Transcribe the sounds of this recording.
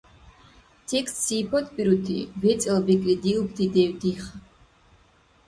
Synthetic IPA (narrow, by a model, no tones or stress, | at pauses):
t̪ʰɛkssipʰɔt̪ʰpʼiɾut̪ʰḭvɛt̪sʼɛlbikʼlid̪iupʰd̪ʰid̪ɛwd̪iχ